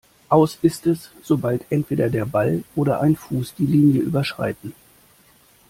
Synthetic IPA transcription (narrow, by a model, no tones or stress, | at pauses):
ʔaʊsɪstɛsz̥obaltʰʔɛntv̥eːɾɐdeːɐbalʔoːɾɐʔa̰ɪnfuːsd̥iːliːnjəʔyːbɐʃʁ̥a̰ɪtn̩